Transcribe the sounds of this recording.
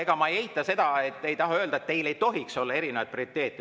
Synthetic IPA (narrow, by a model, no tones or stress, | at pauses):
eɡ̥ɑmɑejeɦit̪ːˑɑse̞d̪̥ɑe̞t̪ːejt̪ɑɦɑø̞ːld̪ɑet̪t̪ːe̞jle̞jt̪o̞ɦikso̞lːɑe̞ɾine̞vɑjd̪̥̚priit̪ːe̞ːt̪j